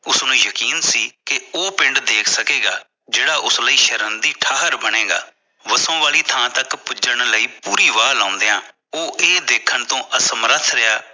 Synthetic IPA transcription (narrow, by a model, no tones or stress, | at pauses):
ʊsnũːjəkiːnsiːkɪoːpɪ̃ɳɖd̪eːkʰsəkeːɡaː | d͡ʒeːɽaːʔʊsləiːʃəɾənd̪iːʈʰaːɦəɾbəɽeːɡa̰ː | ʋəsõːʋaːliːt̪ʰãːt̪əkpʊd͡ʒəɳləiːpuːɾiːʋaːlãːnd̪eːãː | oːʔeːd̪eːkʰːənt̪õːʔəsəmɾət̪ʰɾəaː